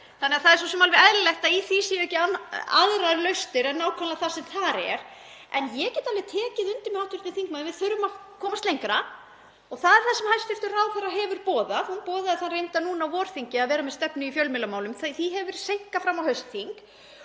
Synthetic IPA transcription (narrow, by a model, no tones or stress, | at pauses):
θanːɛɣaθaðɛɾsɔsɛmalvɪðɛðɾɪlɛjht̪aiθisiɛcɪaa̰ðɾaɾlœɥst̪ɪɾɛnːaːwkʰɛnlaθasɛmθaɾɛ̰ɾ̥ | ɛnjɛcɛːt̪alvɛt̪ʰɛːcɪðʏnt̪ɪmɛaht̪ʏɾt̪ɪθiŋk̚mavɪðθœɾvʏmakʰɔːmast̪ejŋkɾa | ɔɣθaðɛɾ̥θasɛmhajst̪ɪft̪ʏrawðθarːaɦɛvʏɾpɔːðahunpɔːðaðɛθanrejnt̪anuːnawvɔːɾ̥θiɲcɪaðvɛːɾamɛðst̪ɛpnʏifjœlmɪlamaːwlʏmθθiɦɛvʏɾ̥sejŋ̥kafɾamːawhœɥst̪θiŋk